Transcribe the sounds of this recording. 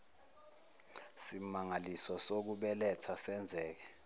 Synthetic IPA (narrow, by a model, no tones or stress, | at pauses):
simaŋalisɔsok̬uɓɛlɛt͡sʰasɛnd͡zʱɛːk̬ɛ